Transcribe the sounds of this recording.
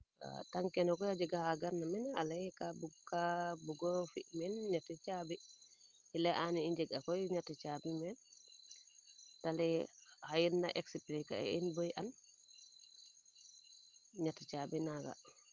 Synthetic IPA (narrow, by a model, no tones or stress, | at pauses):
a̰taŋkɛnɔkɔjad͡ʒɛɡahaɡaɾnamɛna̰lajkabuɡkːabuɡɔfḭʔmɛnɲatit͡ʃabi | hilɛʔaniiɲd͡ʒɛɡakɔjɲatit͡ʃabimɛn | talɛhajinda̰ʔɛksiplika̰ɛ̰inbojʔan | ɲatːit͡ʃabinaɡa̰